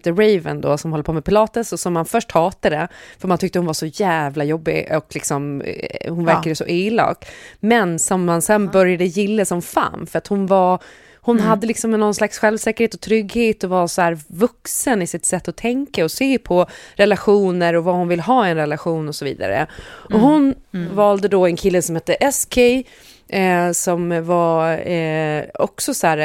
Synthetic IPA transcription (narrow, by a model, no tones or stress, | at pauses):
t̪əɾɛjvə̰nd̪ɔ̰sɔmhɔlːəɾpʰoːmɛpɪlɑːt̪əsɔsɔmːanfœʂʈhɑːt̪ad̪ɛfœɾmant̪ʰʏk̚t̪əhʊnvaʂɔjæːvlajɔbːɪ̰ɔklɪksɔmhʊnvæɾkad̪əsɔʔeːlɑ̰ːkmɛnsɔmːansɛnbœɾjad̪əjɪlːəsɔmfa̰ːnfœɾat̪hʊnvaɾ | hʊnɦad̪ːəlɪksɔmɛnːɔnslaksɧɛlvsɛːkəɾheːt̪ɔt̪ʰɾʏɡheːt̪ɔvasɔhæːɾvɵksənɪsɪt̪sɛt̪ːɔt̪ʰɛŋkaɔseːpʰɔɾɛlaɧuːnəɾɔvahʊnvɪlːɦɑːɪɛnɾɛlaɧuːnɔsɔvḭːd̪a̰ɾə̰ʔɔhʊnvɑːld̪əd̪ɔɛnkʰɪlːəsɔmhɛt̪ːəʔɛskʰɛj | sɔmva | ɔksɔsæːɾ